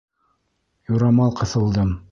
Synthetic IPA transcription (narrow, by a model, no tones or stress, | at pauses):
juɾɑmɑlˠqɤ̆θɤ̆lˠd̪ɤm